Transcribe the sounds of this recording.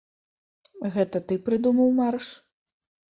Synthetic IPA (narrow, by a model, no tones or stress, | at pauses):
ɣɛt̪ɐt̪ɨpɾɨd̪umɐwmarʂ